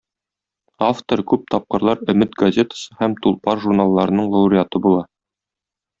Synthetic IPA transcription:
aft̪oɾkʉp̚t̪ɒp̚qɤ̆ɾlˠɑɾɵ̆mɘt̪ɡɐzʲe̞t̪ə̥sɤhæmt̪ulˠpɑɾʒurnalˠːɑɾɤ̆nɤɴlˠɐuɾʲɪat̪ɤbulˠɑ

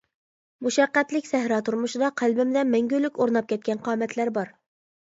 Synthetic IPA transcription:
muʃɛqːæt̪lɪkʲsæhɾɑːt̪ʰuɾmuʃɨd̪ɑqʰælbɪmd̪ɛmɛŋɡʲylykʲoɾnɑp̚kʲɛt̪̚kʲɛnqʰɑːmɛt̪ʰlæɾbɑɾ

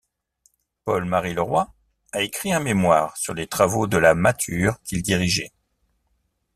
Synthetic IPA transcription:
pɔlmaʁiləʁwa | aekχiɛ̃memwaːʁsyʁlet̪χavod̪əlamat̪ʰyːʁkʲild̪iʁiʒɛ

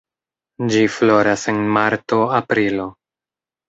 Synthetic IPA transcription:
d͡ʒiflo̞ɾase̞nmaɾto̞apɾilo̞

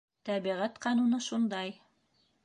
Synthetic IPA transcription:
t̪æβiʁæt̪qɑnunɤʃund̪ɑj

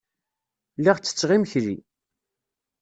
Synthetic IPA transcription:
liʁt͡sːə̥t͡sːʁimçɾi

